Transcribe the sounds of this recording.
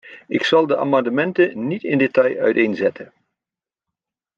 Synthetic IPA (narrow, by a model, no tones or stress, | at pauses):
ɪksɑlˠdəʔa̰ːmɑndəmɛntənitɪndetɑjœ̰ɥtejnzɛtʰə